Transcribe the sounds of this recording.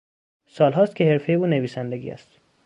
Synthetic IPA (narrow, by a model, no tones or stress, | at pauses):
sɒːlɦɒːst̪cʰehe̞ɾfe̞jeuːneviːsænd̪eɡʲḭæ̰st̪